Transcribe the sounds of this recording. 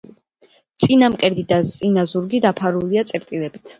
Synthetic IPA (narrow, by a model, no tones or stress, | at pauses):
t̪sʼinamqʼɛɾd̪id̪asʼinazuɾɡid̪apʰaɾuliat̪sʼɛɾt̪ʼilɛbit̪ʰ